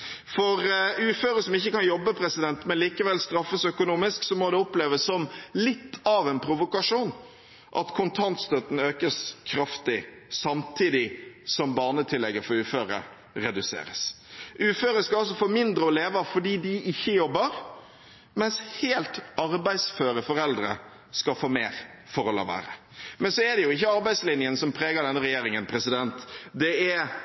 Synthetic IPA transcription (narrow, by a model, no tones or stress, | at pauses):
fɔɾʉːføːɾəsɔmɪçːəkɑnjɔbːəpʰɾɛsɪd̪ɛnt̪mɛnliːkəʋɛlst̪ɾɑfːəsœkʊnuːmɪsksɔmɔd̪ɛɔpleːʋəsːɔmlɪt̪ʰːɑʋɛnpʰɾʊʋʊkɑʂuːn | ʔɑ̰t̪kʰʊnt̪ʰɑnt̪st̪œt̪n̩øːkəskʰɾɑft̪ɪ | sɑmt̪ʰiːd̪ɪsɔmbɑːnət̪ʰɪlːɛɡːəfɔɾʉːføːɾə̰ | ɾɛd̪ʉsḛːɾə̰s | ʔʉːføːɾəskɑɑlsɔfoːmɪnd̪ɾəɔleːʋəfɔɖiːd̪ɪʔɪçːəjɔbːəɾ | mɛnsheːlt̪ɑɾbæɪsføːɾəfɔɾɛld̪ɾə̰ | skɑfoːmeːɾ | fɔɾɔlɑ̰ːʋæ̰ːɾə̰ | mɛnsɔɛd̪ɛjʊɪçːəɑɾbæɪd̪slɪnjənsɔmpʰɾeːɡəd̪ɛnːəɾɛjeːɾɪŋənpʰɾɛsɪd̪ɛnt̪d̪ɛɛ